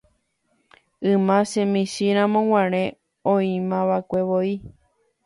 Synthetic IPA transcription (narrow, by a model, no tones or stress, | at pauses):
ɨ̃mãsẽmĩʃiɾ̃ãmõw̃ãɾ̃ẽ | õĩmãʋakʷeʋoi